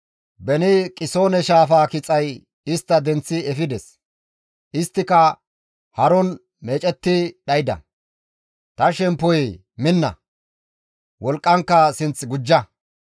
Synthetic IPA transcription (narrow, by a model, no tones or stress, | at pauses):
bɛnɪkʼɪso̞ːnɛʃaːfaːkɪt͡sʼɐj | ɪst̪ːɐd̪ɛnt͡sːɪɛfɪd̪ɛs | ʔɪst̪ːɪkɐ | hɐɾɔn | me̞ːt͡ʃʼɛt̪ːɪɗɐjd̪ɐ̰ | t̪ɐʃɛmpːɔj | mɪnːɐ̰ | wʔɔlkʼːɐŋkːɐsɪnt͡sɡʊd͡ʒːɐ